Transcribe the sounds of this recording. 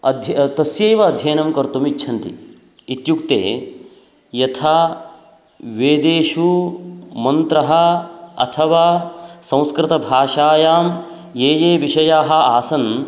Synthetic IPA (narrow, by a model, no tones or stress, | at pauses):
ɐd̪ʱt̪ɐsjɐjʋɐːd̪ʱjɐːnɐmkɐɾt̪umit͡ʃːʃʰɐnt̪ḭ | it̪jukt̪ḛː | jɐt̪ʰaː | ʋeːd̪eːʃu | mɐnt̪ɾɐɦɐ̆ɐ̰t̪ʰɐʋaːsɐ̃w̃skɾɪt̪ɐbʱaːʃaːjaːm | jeːjeːʋiʂɐjaːɦɐ̆aːsɐn